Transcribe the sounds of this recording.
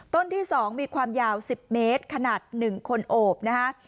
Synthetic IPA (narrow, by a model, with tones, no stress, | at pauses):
t̪o˥˩nt̪ʰiː˥˩sɔː˩˦ŋmiː˧kʰwaː˧mjaː˧wsi˨˩p̚meː˦˥t̪̚kʰa˧naː˨˩t̪̚nɯ˨˩ŋkʰo˧nʔoː˨˩p̚na˦˥kʰa˦˥ʔ